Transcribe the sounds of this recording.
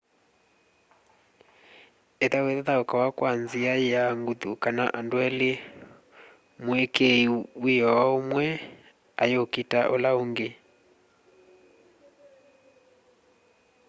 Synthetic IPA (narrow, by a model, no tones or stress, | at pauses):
eðaweðaðaokawakwanziaaŋɡuðukana̰ʔandwɛle | mwekeiwijɔwaomwɛ | a̰jokitaʔolaoŋɡe